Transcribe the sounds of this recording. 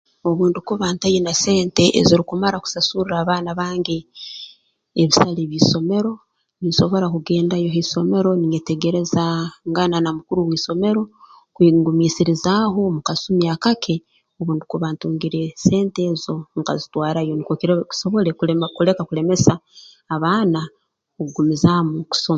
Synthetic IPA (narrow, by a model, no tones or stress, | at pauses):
o̞βuːndukuβaːntajenase̞ːnte̞ʔːziɾikumaɾaku̥sasuɾiɾaːβaːnaβaːŋɡe̞ | βisaleβiso̞me̞ɾo̞ | niso̞βo̞ɾakuɡe̞ːndajo̞ɦeso̞me̞ɾo̞niete̞ɡe̞ɾe̞zaŋɡananamukuɾuwiːso̞me̞ɾo̞ | kwiŋɡumiːsiɾizaɦo̞mukasumiakakʰe̞ | oβuːndikuβaːntuːŋɡiɾe̞se̞ːnte̞ːzo̞ŋkazitwaːɾajo̞nikokki̥so̞βo̞lekkule̞kakule̞me̞saː | βaːna | koɡumizamuku̥soma